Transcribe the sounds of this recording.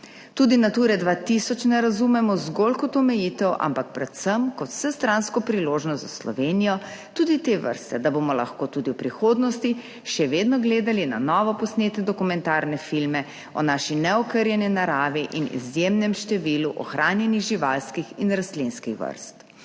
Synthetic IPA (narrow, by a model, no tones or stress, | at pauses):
t̪uːd̪inat̪uːɾɛd̪ʋat̪isɔt͡ʃnɛɾazumɛmɔzɡolkɔt̪ɔmɛjit̪ɛwʔa̰mpak̚pɾɛt̪səmkɔt̪w̥sɛst̪ɾanskɔpɾiloːʒnɔst̪zaslɔ̰ʋeːnijɔ | t̪ud̪it̪eʋə̰ɾst̪ɛd̪abomɔla̰xkoːt̪ud̪iwpɾixoːd̪nɔst̪i | ʃɛʋeːd̪nɔɡleːd̪alina̰nɔːʋɔpɔsneːt̪nɛd̪ɔkumɛ̃nt̪aːɾnɛfilmɛ | ɔnaʃinɛɔkəɾjɛninaɾaːʋiʔinḭzjemnɛmʃt̪ɛʋiluʔɔ̰xɾʔaːnjɛniɣʒiʋalskixinɾast̪linskixʋə̰ɾst̪